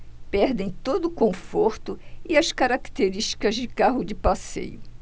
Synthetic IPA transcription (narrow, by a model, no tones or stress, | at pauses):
pɛɾd̪ẽj̃t̪od̪ʊkõfoɾt̪ʊɪɐskaɾakt̪eɾiʃt͡ʃi̥kɐzd͡ʒɪkaɦʊd͡ʒɪpasḛjʊ